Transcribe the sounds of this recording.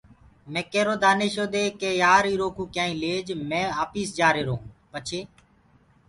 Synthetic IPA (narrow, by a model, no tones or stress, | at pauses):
mɛ̃ːkeːɾoːd̪aːneːʃoːd̪eːkeːjaːɾiːɾoːkũːkɪjãːĩːleːd͡ʒmɛ̃ːaːpiːsd͡ʒaːɾeːɾoːɦũːpət͡ʃʰeː